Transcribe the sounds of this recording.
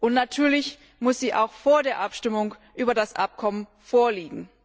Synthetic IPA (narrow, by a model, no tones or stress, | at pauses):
ʔʊntnatʰyːɐlɪç | mʊsz̥iːʔa̰ʊxfoːɐdeːɐʔapʃtɪmʊŋʔyːbɐdasʔa̰p̚kʰɔmən | foːɐliːɡŋ̩